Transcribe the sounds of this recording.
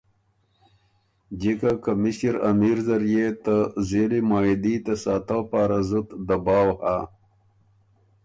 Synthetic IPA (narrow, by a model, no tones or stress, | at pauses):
d͡ʑikakamiɕiɾa̰miɾzaɾjet̪azelimaːid̪it̪asaːt̪awpaːɾazut̪d̪abɑːwha